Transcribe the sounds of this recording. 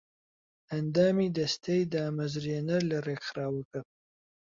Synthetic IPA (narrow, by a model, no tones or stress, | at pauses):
ɐnd̪aːmiːd̪ɐst̪ʰejd̪aːmɐzɾenɐɾlɐreːkxɾaːwɐkɐp̚